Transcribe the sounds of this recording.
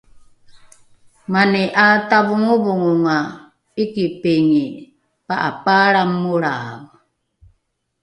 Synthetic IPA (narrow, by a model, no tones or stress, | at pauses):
maniʔataβuŋuβuŋuŋa | ikipeŋi | paʔa̰paɾamːuɾaβu